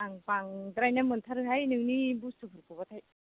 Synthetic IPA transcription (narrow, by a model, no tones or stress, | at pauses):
aŋpaŋdɾajnamɯntʰaɾɯɦajnɯŋnibustʰupʰɯɾpɯbatʰaj